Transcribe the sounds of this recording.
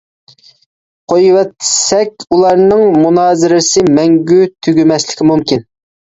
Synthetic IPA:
qʰojwɛt̪ːɪ̥sɛkʲulˠɑɾnɨŋmunɑːzɪɾɪsɪmɛŋɡʲyt̪ʰyɡʲymɛslɪkʲimumkʲin

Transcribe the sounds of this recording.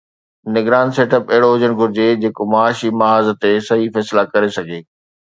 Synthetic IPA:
nɪɡɾaːnseːʈəpɐɦɪɽoʊd͡ʑəɽ̃ɡʱʊɾɪd͡ʑed͡ʑeːkomaaːʃimɐɦaːzt̪esɐɦifɛːslakɐɾesɐɡʱeː

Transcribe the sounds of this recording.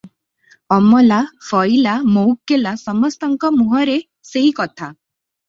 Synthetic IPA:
ɔmɔlafʰɔjlamowkːelasɔmɔst̪ɔŋkɔmuɦɔɾe | seɦikɔt̪ʰa

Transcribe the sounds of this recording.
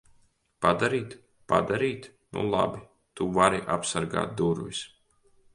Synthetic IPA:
pad̪aɾiːt̪ | pa̰d̪aɾiːt̪ | nṵlˠa̰bi | t̪uvaɾiʔa̰psaɾɡa̰ːt̪̚d̪uɾvis

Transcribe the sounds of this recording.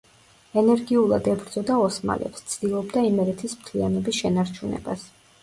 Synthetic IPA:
ɛnɛɾɡiulˠa̰d̪ɛbɾd̪zɔd̪aɔsma̰lɛ̰pst̪sʰd̪ilˠɔbd̪aimɛɾɛt̪ʰismt̪ʰlianɔbisʃɛnaɾt͡ʃʰunɛ̰bas

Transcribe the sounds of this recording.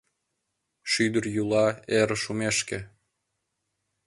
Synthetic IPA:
ʃyd̪ərjulɑeɾəʃumeʃke

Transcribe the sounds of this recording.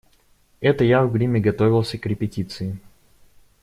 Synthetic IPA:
ɛt̪əjavɡɾʲimʲɪɡɐt̪o̞vʲɪlˠsʲəkɾʲɪpʲɪtʲit̪sɨɪ

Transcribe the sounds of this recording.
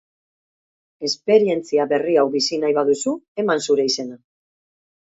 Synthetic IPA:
e̞spe̞ɾie̞nt͡siaβe̞riawβisinajβaðusue̞mansuɾe̞ise̞na

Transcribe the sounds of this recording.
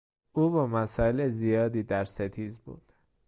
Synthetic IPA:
ʔuːbɒːmæsɒːelezijɒːd̪iːd̪æɾset̪ʰiːzbṵːd̪̥

